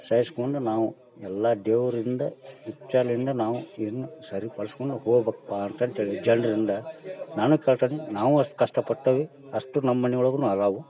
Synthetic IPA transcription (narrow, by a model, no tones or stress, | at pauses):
sɐjskoɳɖunaːʋu | ɛlːad̪eːʋɐɾind̪ɐit͡ʃːaːlɐind̪ɐnaːʋuid̪ɐnːusɐɾipɐɭskoɳɖuhoːɡbɐkpːaɐnt̪aːnt̪eːɭid͡ʒɐɳɖɐɾind̪ɐnaːnukeːɭt̪aːninaːʋuɐskɐʂʈɐpɐʈːɐːʋi | ɐʂʈunɐmːɐɳiɡɐɭɐɡunuɐɾaːʋu